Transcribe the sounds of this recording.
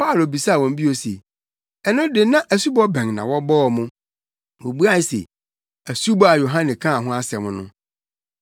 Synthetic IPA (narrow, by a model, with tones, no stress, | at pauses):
pa˦˨lo˨bi˨sa˦˨wɔ̃˨m̩˦bi˦o˨sḛ˨ | ɛ˦nʊ̃˦dɪ˨nã˦ʔæ˨su˦bɔ˦bɛ̃˨ŋnã̰˨wɔ˦bɔː˦˨mʊ̃˦ | wo˨bu˦a˦˨sḛ˨ | æ˨su˦bɔ˦a˨jo˨ɦã˦nɪ̃˨kʰã˦˨ɦʊ̃˦a˦sɛ˨mʊ̃˦nʊ̰̃˦